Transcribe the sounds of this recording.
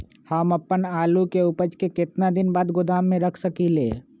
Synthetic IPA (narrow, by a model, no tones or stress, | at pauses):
həmɐpːənaːlukeʊpəd͡ʒkekɪt̪nad̪ɪnbaːd̪ɡʊd̪aːmːẽɾɐkʰsəkilḛː